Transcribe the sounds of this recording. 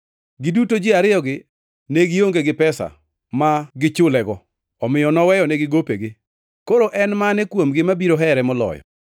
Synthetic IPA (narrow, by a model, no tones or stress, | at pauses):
ɡɪdutod͡ʒɪaɾɪjɔɡɪ | nɛɡɪoŋɡeɡɪpɛsa̰ | maɡɪt͡ʃʊlɛɡɔ | ɔmɪjɔnɔwɛjɔnɛɡɪɡopeɡɪ | koɾoʔɛnmanɛkwomɡɪmabiɾoɦɛɾɛmɔlɔ̰jɔ̰